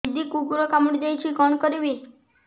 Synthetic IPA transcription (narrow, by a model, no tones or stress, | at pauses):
d͡ʒd̪ikupuɾokamuɽid͡ʒ̪ajt͡ʃʰikɔɳkɔɾiʋi